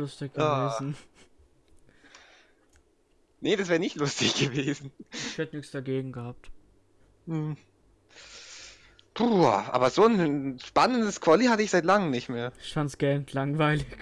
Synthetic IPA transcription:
lʊstɪçɡ̥əvveːzn̩ | nəd̥asv̥ɛːɐnɪçtlʊstɪçɡ̥əveːzn̩ɪçhɛtənɪçsd̥aɡeːɡŋ̩ɡəhaːp̚t | m̩h̩ | pʰuːʔa̰ːbɐzoːnʃpanəndəskʰv̥ɔlihatəɪçz̥aɪtlaŋəmnɪçtmeːɐɪçfansɡ̥ɛntʰlaŋvaɪlɪç

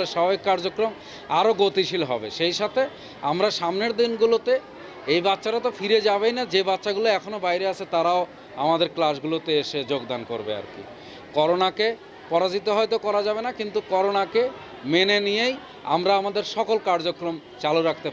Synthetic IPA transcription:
eɾʃabʱabikːaɾd͡ʑokɾom | aɾoɡot̪iʃilɦɔ̰bḛʃejʃat̪ʰe | amɾaʃamneɾd̪inɡulot̪e | ejbatːʃaɾat̪ofiɾed͡ʑabejnad͡ʑebatːʃaɡuloɛkʰonobajɾeat͡ʃʰet̪aɾao | amad̪eɾklas̬ɡulot̪eeʃed͡ʑoɡd̪anko̰ɾbḛa̰ɾkḭ | kɔɾonake | pɔɾad͡ʑit̪oɦɔet̪okɔɾad͡ʑabenakint̪ukɔɾonake | menenijej | a̰mɾaamad̪eɾʃɔkolkaɾd͡ʑokɾom | t͡ɕaluɾak̚ʰt̪e

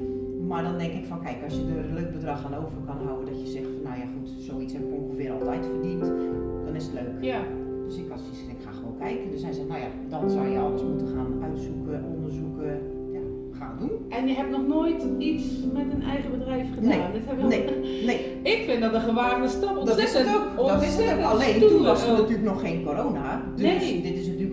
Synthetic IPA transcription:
mardɔndɛŋkɪkfɔnkɛjkɔsjədərløːk̚bədrɑxanoːvərkɔnɦawəndɔtjəzɛxəfɔnːawjaxutsoːitshɛpɪkoŋxəfɪəɾɔlˠtɛjtfərdintd̥ɔnɪsətløːk | d̥øsɪkɔtsisədɪkxa̰ːxəʋoːnkʰɛjkədøshɛjsɛxnawja̰ | dɔnsawjəɔlˠdəsmutəxaːnœ̰ɥtsukəʔondərzukə | ja | xaːndun | ɛnjəɦɛb̚nɔxnoːjtismɛtənɛ̰jɣəbədrɛjfχəneaːndɪthɛbəjneneː | ɪkfɪndɔtəɣəʋaːrnəstolˠdɔɪsokoɔɪsɛaleːntunʋɔsnatyːlək̚nɔxːeːnkoɾoːna | dødɪtɪsnatylək

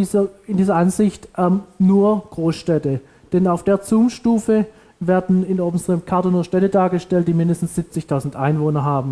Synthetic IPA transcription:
izɐɪndiːzɐʔanzɪçtʔɛmnuːɐɡ̥ʁoːsʃtɛtə | d̥ɛnaʊfd̥eːɐt͡suːmʃtuːfə | vɛːɐdn̩ɪnoːbm̩stʁ̥əmkʰaɐtɐnuːɐʃtɛtədaːɐɡəʃtɛlt̚d̥iːmɪndəstn̩sz̥ɪp̚t͡sɪçtʰaʊzn̩tʔaɪnvoːnɐɦaːbm̩

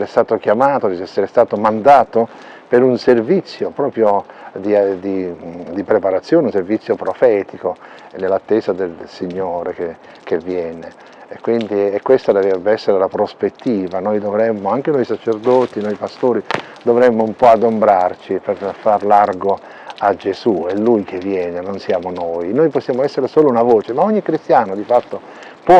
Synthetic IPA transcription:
ɾest̪aːt̪ok̟jamaːt̪od̪iɛsːeɾest̪aːt̪omand̪aːt̪o | peɾunservit̪sːjopɾɔːpɾjod̪id̪id̪ipɾepaɾat̪sːjoːneunservit̪sːjopɾofɛːt̪iko | nːelːat̪ːeːsad̪elsiɲːoːɾeke | kevːjɛːneː | kːwind̪iɛkːwest̪ad̪ɛvɛbːeɛsːeɾelapɾospet̪ːiːvanojd̪ovɾɛmːoaŋk̟enojsat͡ʃerd̪ɔt̪inojpast̪oːɾi | d̪ovɾɛmːoumpɔad̪ombɾart͡ʃiperfarlarɡo | ad͡ʒezuɛlːujkʰevːjɛːnenonsjaːmonojnojposːjaːmoɛsːeɾesoːlounavoːt͡ʃemaoɲːikɾist̪jaːnod̪ifat̪ːo | pwɔ

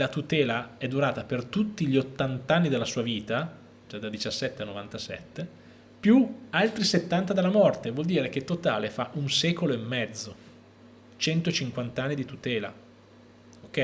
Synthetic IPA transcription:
lat̪ut̪ɛːlaɛd̪uɾaːt̪apert̪ut̪ːiʎiot̪ːant̪anːid̪elːasuːaviːt̪a | d͡ʒad̪ad̪it͡ʃasːɛt̪ːeanːovant̪asɛ̰t̪ːe | pjualt̪ɾiset̪ːant̪ad̪elːamɔrt̪evwɔld̪iːɾek̟et̪ːot̪a̰ːlefaʔunsɛːkoloemːɛd̪zːo | t͡ʃɛnt̪ot͡ʃiŋkwant̪anːid̪it̪ut̪ɛːla̰ | okːɛ

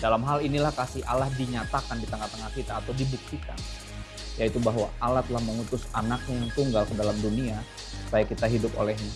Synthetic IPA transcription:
dalamɦalinilahkasɪa̰lahdiɲat̪akandit̪əŋat̪əŋahkit̪aːt̪awdibuk̚t̪ika̰n | jait̪ubaɦwaːlaht̪əlahməŋut̪ʊsanak̚ɲajaŋt̪uŋɡalkədalamdunia | sajakit̪aɦidʊp̚o̰lɛhɲa

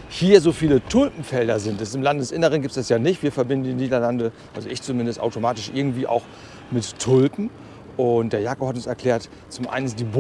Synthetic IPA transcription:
hiːɐzoːfiːlətʰʊlpm̩fɛldɐzɪntɛsɪmlandədɛsʔɪnəʁ̞ənɡiːptsd̥asjaːnɪçtv̥iːɐfɛɐbɪndn̩diːniːdɐlandəʔa̰lzoɪçt͡sumɪndəstʔa̰ʊtomaːtɪʃʔɪɐɡŋ̩tv̥iːʔa̰ʊx | mɪttʰːʊlpn̩ | ʔʊntd̥eːɐjaːkohat̬ʊnsɛɐkʰl̥ɛːɐt | t͡sʊmʔa̰ɪnənsd̥iːb

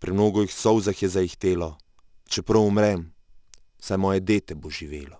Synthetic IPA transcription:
pɾimnoːɡɔixsɔwzaxjɛzajixt̪eːlɔ | t͡ʃɛpɾɔwumɾɛm | sajmɔːjɛd̪eːt̪ɛboʒiʋḛːlɔ

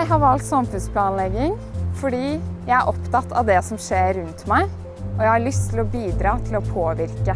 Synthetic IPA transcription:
ɪɦɑɾʋɑlt̪sɑmfʉnspʰlɑːnlɛɡɪŋ | fɔɖiːjæɪæɾʔɔpːt̪ɑt̪ːʰɑ̰ʋd̪ɛsɔmʂeːɾʉnt̪mæɪ | ɔjæɪhɑɭʏst̪ʰːɪlɔbiːd̪ɾɑːt̪ʰɪlɔpʰoːʋɪɾkə

